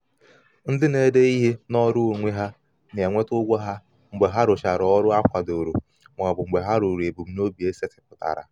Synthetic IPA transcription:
n̩˦dɪ˦ne˦de˦i˦ɦi˦nɔ˦ɾʊ˦o˨ŋʷe˦ɦa˦ | n˨e˨ŋʷe˦tʊ˦ɡʷɔ˦ɦa˦ | ŋ͡m̩˨ɡ͡be˨ɦa˦ɾʊ˨ʃa˨ɾɔ˦ɾʊ˦a˦kʷa˨do˨ɾu˨ | mʷ˨ɔ˨bʊ˨ŋ͡m̩˨ɡ͡be˨ɦa˦ɾu˨ɾe˨bu˨m̩˦no˦bi˨e˦se˦tɪ̥˨pʊ˨ta̰˨ɾa̰˨

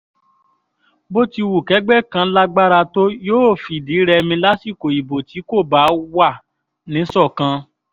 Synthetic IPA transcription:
bo˦ti˧wu˨kɛ˨˦ɡ͡bɛ˦kã˧la˦ɡ͡ba˦ɾa˧to˦joː˦˨fi˨˦˨di˨˦ɾɛ˧mĩ˧la˦ti˦˨ko˨i˨bo˨ti˨˦ko˦˨ba˨˦wa˦˨ | nĩ˨˦sɔ˦˨kã˧

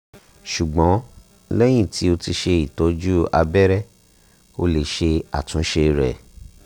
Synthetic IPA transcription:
ʃu˨ɡ͡bɔ̃˨˦ | lɛ˦j̃ĩ˦˨tʰi˨˦o˧ti˧ʃe˧i˨tɔ˨˦d͡ʒu˦a̰˧bɛ˦ɾɛ˦ | o˧le˨ʃe˧a˨tũ˨˦ʃe˧ɾɛ̰˨

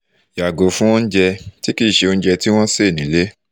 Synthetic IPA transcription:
ja˨ɡo˨˦fũ˦w̃ɔ̃˦n̩˦d͡ʒɛ˧ti˦ki˦˨ʃe˧o˧ñ̩˦d͡ʒɛ˧ti˦w̃ɔ̃˦se˦˨nĩ˨˦le˦

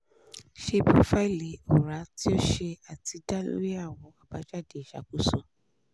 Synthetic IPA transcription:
ʃe˧po˦fa˦i˦˨le˨o˨ɾa˨˦ti˦o˦ʃe˧a˨ti˧˦da˦˨lo̰˦ɾi˦a˦˨w̃ɔ̃˨˦a˨ba˨˧˦d͡ʒa˦˨de˨ʃa̰˨ku˦so˧

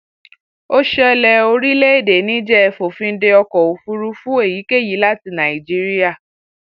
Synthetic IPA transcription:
o˦ʃɛ˦˧lɛ˧o˧ɾi˦le˦e˦˨de˨˦nĩ˨˦d͡ʒɛ˦ɛ˨fo˨fĩ˧n̩˦de˧ɔ˧kɔ˨o˨fu˧ɾu˧fũ˦e˦˨ji˨˦ke˦˨ji˨˦la˦ti˧nã˨i˨d͡ʒi˦ɾi˦a˦˨

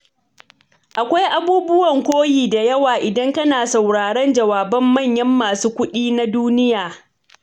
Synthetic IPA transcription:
ʔa˨kʷa˦jʔa˦buː˦bʊ˦wɐ˨ŋkʷoː˦jiː˨da˨jɐ˦waː˨ʔɪ˨dɐ˦ŋkɐ˦naː˨sa˨wɽaː˨ɽɐ˦nd͡ʒɐ˨waː˨bɐ˦mːɐ˦˨ɲjɐ˦mːaː˨suː˦kʷʊ˦ɗiː˦na˦duː˦nɪ˦jaː˨

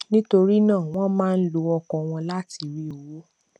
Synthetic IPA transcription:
nĩ˦to˧ɾi˦nãː˦˨w̃ɔ̃˦mãː˦˧n̩˦lo˧ɔ˧kɔ̃˧w̃ɔ̃˧la˦ti˨˧ɾi˧˦o˨wo˨˦

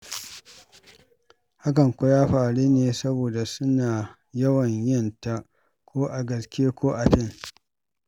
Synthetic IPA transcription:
ha˦kɐ˨ŋkʷʊ˦jaː˦ɸaː˨ɽiː˦neː˨sɐ˦boː˨da˨sʊ˦naː˨ | jɐ˦wɐ˨ɲjɪ˦˨nta˦ | kʷʰoː˦ʔa˨ɡɐ˨skʲeː˦kʷoː˦ʔa˨ɸɪ˦ŋ

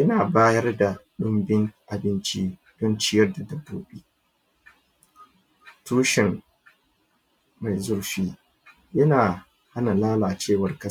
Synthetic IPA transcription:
jɐ˦naː˨baː˦jɐ˦rda˨ɗʊ˦mbɪ˦ŋʔa˨bɪ˦nt͡ʃi˦ | d̥ɔ˦nt͡ʃɪ˦jɐ˦rda˨dɐ˦bːoː˦beː˦ | tuː˦ʃɪ˨ŋ | ma˨jzʊ˦rʃiː˦ | jɐ˦naː˨ | ha˦na˨laː˦laː˨t͡ʃeː˦˨wɐ˨rkɐ˦

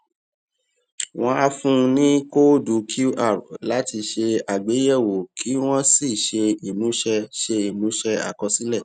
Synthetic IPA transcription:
w̃ɔ̃˦a˧fũ˦˧nĩ˦ko˦du˨˦kʰu˦a˦˨ɾla˨˦ti˧ʃe˧a˨ɡ͡be˨˦jɛ˦˨wo˨kʰi˨˦w̃ɔ̃˦si˦˨ʃe˧i˨mũ˨˦ʃɛ˧ʃe˧i˨mũ˨˦ʃɛ˧a̰˨kɔ˧si˨˦lɛ˦˨

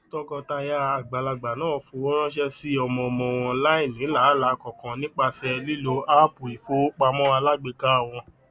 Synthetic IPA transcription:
tɔ˧kɔ˧ta˧ja˧˦a˨ɡ͡ba˨la˧ɡ͡ba˨nãː˨˦˨fũ˧ɔ˦ɾ̃ã˦ʃ̬ɛ˦si˦ɔ˧mɔ̃˧mɔ̃˧wɔ̃˧ɔ̃˧˦la˦ĩ˦˨nĩ˨˦la˨˦˨la˧˦˧kɔ˨kã˧nĩ˦k͡pa˧sɛ˧li˦lo˧a˦pu˨i˨fo˧˦k͡pa˧mɔ̃˦a˧la˦ɡ͡be˧ka˦˨w̃ɔ̃˧

